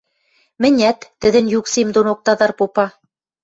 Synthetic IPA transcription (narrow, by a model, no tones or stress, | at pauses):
mɘ̆nʲæt̪ːɘ̆ðɘ̆njuksimd̪onok̚t̪ɑðɑɾpopɑ